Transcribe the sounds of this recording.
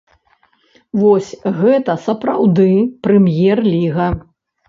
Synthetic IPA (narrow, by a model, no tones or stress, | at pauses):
vɔsʲɣɛt̪ɐsɐpɾawd̪ɨpɾɛmjɛrlʲiɣɐ